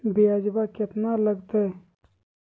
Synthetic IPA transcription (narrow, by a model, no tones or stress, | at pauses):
biad͡ʒbakət̪naləɡt̪e